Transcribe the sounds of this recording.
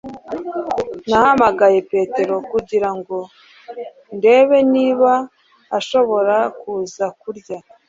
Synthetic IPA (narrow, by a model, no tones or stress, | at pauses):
nahamaɡaje̞pe̞te̞ɾo̞kuɟiɾaŋɡo̞ | nde̞ːβeniːβaː | ʃo̞βo̞ɾakuːzakuɾɟa